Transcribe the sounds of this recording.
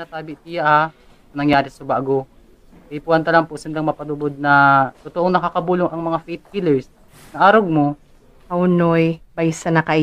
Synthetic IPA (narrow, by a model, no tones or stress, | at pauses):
nɐt̪aːbɪt̪ijaʔha | sɐnɐŋjaːɾɪsʊbaːɡo | ʔɐjpuːhɐnt̪ɐlaŋpoʔsɪnd̪aŋmɐpɐd̪ʊbod̪̚nɐt̪ʊt̪oʔoŋnɐkakɐbuːloŋʔɐŋmɐŋafejt̪̚kilɛɹs | nɐʔaːɾoɡ̚mo | ɐʊnojbajsɐnɐkɐʔ